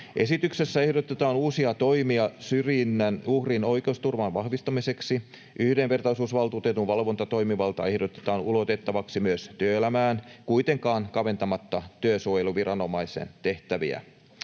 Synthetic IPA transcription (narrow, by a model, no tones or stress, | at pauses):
ʔe̞sit̪ykse̞sːæe̞hdot̪et̪ɑːnuːsiɑt̪o̞imiɑsyrjinːænuhrino̞ike̞ust̪urʋɑnʋɑhʋist̪ɑmise̞ksi | ʔyhdenʋe̞rt̪ɑisuːsʋɑlt̪ut̪et̪uʋʋɑlʋo̞nt̪ɑt̪o̞jmiʋɑlt̪ɑ̰e̞hdot̪e̥t̪ɑːnulo̞t̪e̞t̪ːɑʋɑksimyøst̪yøːelæmæːnkuit̪eŋkɑːŋkɑʋe̞nt̪ɑmɑt̪ːɑt̪yøsujeluʋiɾɑno̞mɑisḛnt̪eht̪æʋḭæ̰